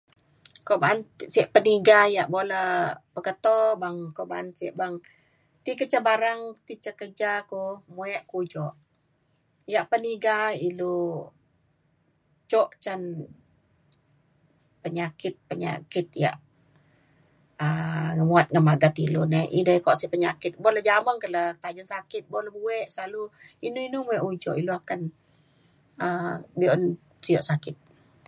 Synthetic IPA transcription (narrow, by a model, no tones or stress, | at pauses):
kɔʔbaansiəʔpəniɡajaʔboləpəkət̪ɔbaŋkɔʔbaansiəʔbaŋ | t̪ikət͡ʃabaɾaŋt̪it͡ʃəkəd͡ʒakumuɛʔkud͡ʒɔʔ | jaʔpəniɡailu | t͡ʃɔʔt͡ʃan | pəɲakɪt̪̚pəɲa̰kɪt̪̚ja̰ʔ | əŋəmuat̪̚ŋənmaɡat̪ilunɛḭdaikɔʔsipəɲakɪt̪̚bɔləd͡ʒaməŋkələt̪ad͡ʒənsakɪt̪̚bɔlabuɛʔsalu | inuinumuɛʔud͡ʒɔ̰ʔiluakan | əbiɔn | siɔʔsakɪt̪̚